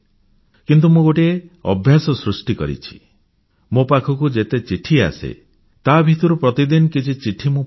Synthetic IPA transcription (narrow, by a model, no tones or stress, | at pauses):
kint̪̬umõɡoʈieɔ̰bʱjasɔsɾusʈikɔ̰ɾḭt͡ʃʰi̥ | mopakʰɔkud͡ʒet̪et͡ʃiʈʰia̰sḛ | t̪abʱit̪ɔɾupɾɔt̪id̪inɔkit͡ʃʰit͡ʃiʈʰimũ